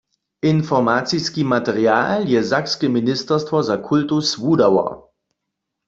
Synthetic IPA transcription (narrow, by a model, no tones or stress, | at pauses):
ʔɪnfɔʁmat͡siskimatɛʁja̰ːljɛzakskɛminɪstɐstvɔzakʰʊltʊsvuːdawɐ̰